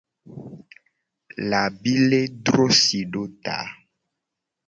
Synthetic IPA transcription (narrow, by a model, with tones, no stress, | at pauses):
la˨bi˦le˦d̪ɾo˦si˨ɖo˦t̪a̰˨˦